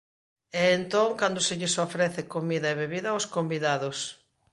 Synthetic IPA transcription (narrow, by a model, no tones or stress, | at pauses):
ɛːnt̪oŋkand̪ʊseʎɪsofɾɛθɪkomiðɐeβeβiðɐoskombiðaðʊs